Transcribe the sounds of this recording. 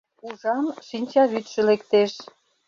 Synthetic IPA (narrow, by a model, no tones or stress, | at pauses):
uʒɑmʃinʲt͡ɕɑβyt̪ʃə̆lekt̪eʃ